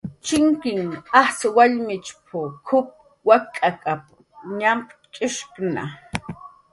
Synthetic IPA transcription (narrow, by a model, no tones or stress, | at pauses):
t͡ʃɪŋkɪŋaswaʎmɪt͡ʃpʰʊkʰʊp̚ | wakʼakʼap | ɲampʼt͡ʃʼɪʃkna̰